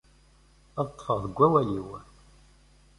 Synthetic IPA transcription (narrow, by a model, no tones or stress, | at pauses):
ɑðt̪ˤːfəʁðəɡʷːæwæliw